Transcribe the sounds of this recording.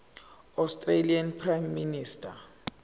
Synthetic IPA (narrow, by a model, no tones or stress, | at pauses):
astʼrelianpʰrajmːinistʰʼa